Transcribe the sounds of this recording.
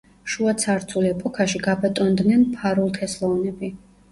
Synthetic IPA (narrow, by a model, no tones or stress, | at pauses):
ʃuat̪sʰaɾt̪sʰulɛpʼɔkʰaʃiɡabɛt̪ʼɔnd̪nɛnpʰaɾulˠk̪ʰɛslˠɔvnɛbi